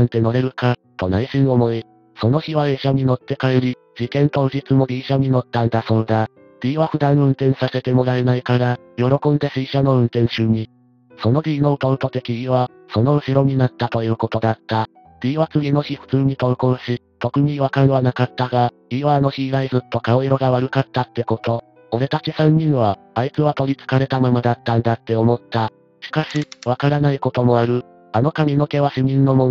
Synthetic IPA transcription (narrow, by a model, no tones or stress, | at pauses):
ãnt̪e̞no̞ɾe̞ɾɯ̟ka | t̪o̞naiɕĩɰ̃o̞mo̞i | so̞no̞çiβaeɕaɲ̟ino̞t̪ːe̞kaeɾʲi | d͡ʑikẽ̞nt̪o̞ɯ̟ʑit͡sɨmo̞d̪ʲiːɕaɲ̟ino̞t̪ːãnd̪aso̞ːd̪a | d̪̥ʲiːβaɸɯ̟d̪ãɰ̃ɯ̟̃nt̪ẽ̞ɰ̃sase̞t̪e̞mo̞ɾaenaikaɾa | jo̞ɾo̞kõ̞nd̪e̞sɨiɕano̞ɯ̟̃nt̪ẽ̞ɰ̃ɕɨːɲ̟i | so̞no̞d̪ʲiːno̞ɯ̟t̪oɯ̟t̪o̞t̪e̞kʲiɲiβa | so̞no̞ɯ̟ɕiɾo̞ɲ̟inat̪ːat̪o̞jɯ̟ːko̞t̪o̞d̪at̪ːa | d̪̥ʲiːβat͡sɨɡʲino̞çiɸɯ̟̥t͡sɨːɲ̟it̪o̞ɯkoɕi | t̪o̞kɯ̟ɲ̟iβakaɾɯβanakat̪ːaɡa | iβanoçiːɡaizɨt̪ːo̞kaoiɾo̞ɡaβaɾɯ̟kat̪ːat̪ːe̞ko̞t̪o̞ | oɾe̞t̪at͡ɕisãɲ̟ːĩɰβa | ait͡sɨβat̪o̞ɾʲit͡sɨ̥kaɾe̞t̪amamod̪at̪ːãnd̪at̪ːe̞omo̞t̪ːa | ɕi̥kaɕiβakaɾanaiko̞t̪o̞mo̞aɾɯ̟ | ano̞kamʲinoke̞βaɕimʲĩnːo̞mõn